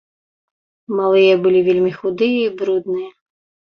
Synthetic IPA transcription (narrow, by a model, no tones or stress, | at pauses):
malˠɨjɛbɨlʲivʲelʲmʲixud̪ɨjɛibɾud̪nɨjɛ